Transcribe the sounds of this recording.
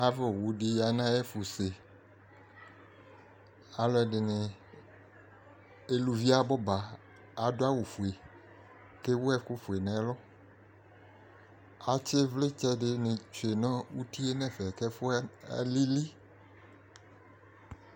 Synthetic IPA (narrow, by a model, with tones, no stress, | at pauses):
a˦vɛ˨wu˨ɖi˨ja˨nã˦jɛ˦fu˨se˨ | a˨lɔ˦ɛ˨dɪ˨nẽ˨ | e˦lu˨vi˦a˦bɔ˦ba˨ | a˨do˦a˦wu˨fu˨e˨ | ke˦wo˦ɛ˦ku˦fu˨e˨nɛ̃˨˦lɔ˦ | a˨t͡ʃe˦vle˦t͡ʃɛ˦ɖɪ˨nẽ˨t͡ʃo˨e˨nɔ̃˦wu˦ti˦e˦nɛ̃˦fɛ˨kɛ˦fo̰˦li˦li˦